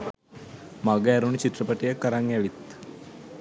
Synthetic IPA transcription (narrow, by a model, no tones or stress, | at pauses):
maɡəæɾunət͡ɕit̪ːrəpəʈijəkːəɾaŋjɛʋit̪